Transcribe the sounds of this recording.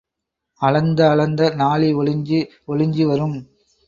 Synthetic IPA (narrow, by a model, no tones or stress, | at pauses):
ɐɻɐnd̪ɐːɭɐnd̪ɐnaːɭiɔɭɪɲd͡ʒi | ɔɻɪɲd͡ʒiʋɐɾɯm